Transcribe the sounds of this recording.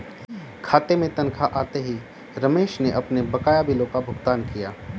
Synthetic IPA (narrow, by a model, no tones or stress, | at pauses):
kʰaːt̪emẽt̪ɐ̃nkʰaʔaːt̪eɦi | ɾɐmeːʃneʔɐpnebɐkaːjabɪlõkabʱʊɡt̪aːnkijaː